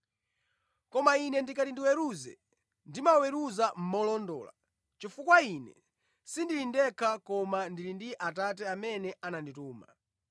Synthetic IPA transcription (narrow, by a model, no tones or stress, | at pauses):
kɔmainɛndikatindiwɛɾuzɛ | ndimawɛɾuzam̩mɔlɔndɔ̰ːla̰ | t͡ʃifukwainɛ̰ | sindilindɛkʰakɔmandilindiʔatat̬ɛamɛnɛanandituːma